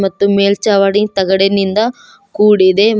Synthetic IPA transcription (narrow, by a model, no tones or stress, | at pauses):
mɐt̪ːumeːlt͡ʃɐʋɐɽit̪ɐɡɐɽenind̪ɐ | kuːɽid̪e